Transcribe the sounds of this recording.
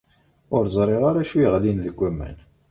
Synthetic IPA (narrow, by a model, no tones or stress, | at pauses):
ʊɾzˤɾˤeʁaɾæʃujʁlinðəɡʷːæmːæ̰n